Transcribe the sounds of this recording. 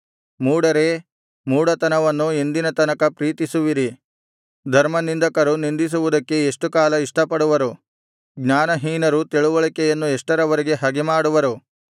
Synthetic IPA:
muːɽɐɾe | muːɽɐt̪ɐnɐʋɐnːuind̪inɐt̪ɐnɐkɐpɾiːt̪isuʋiɾi | d̪ʱɐɾmɐnind̪ɐkɐɾunind̪is̬uʋud̪ɐkːe̞eʂʈukaːlɐiʂʈɐpːɐɽuʋɐɾu | ɡɲaːnɐɦiːnɐɾut̪iɭuʋɐɭikɛjɐnːueʂʈɐɾɐʋɐɾiɡe̞ɦɐɡemaːɽuʋɐɾu

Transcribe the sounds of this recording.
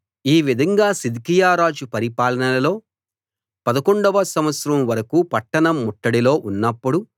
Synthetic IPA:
iːʋid̪ʱɐŋɡaːsid̪kijaːɾaːd͡ʒupɐɾipaːlɐnɐlɐlo̞ː | pɐd̪ɐkoɳɖɐʋɐsɐmʋɐt̪sɾɐmʋɐɾɐkupɐʈːɐɳɐmːuʈːɐɽilo̞ːʔunːɐpːuɽu

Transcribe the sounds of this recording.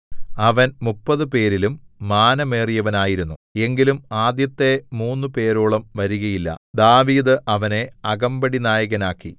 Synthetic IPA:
ɐʋɐnmupːɐðɨpe̞ːɾilumːaːnɐme̞ːrijɐʋɐnaːjiɾunːue̞ŋɡilumaːd̪jɐt̪ːe̞muːnːɨpe̞ːɾoːɭɐmʋɐɾuɣɐjilːɐ̰d̪aːʋiːd̪ɨʔɐʋɐne̞ɐɣɐmbɐɽinaːjɐɣɐnaːkːi

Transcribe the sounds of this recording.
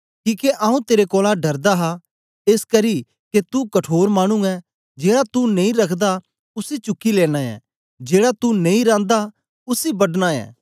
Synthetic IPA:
kiːkeʔaːũt̪eːɾekɔːlãɖɐɾd̪aɦa | eːskɐɾi | ket̪ukɐʈʰoːɾmaːɽ̃ũɛ | d͡ʒeːɽat̪unẽĩɾɐkʰd̪a | ʊsit͡ʃʊkːileːɽ̃aɛ̰ | d͡ʒeːɽat̪unẽĩɾãːnd̪a | ʊsibɐɖñaɛ̰ː

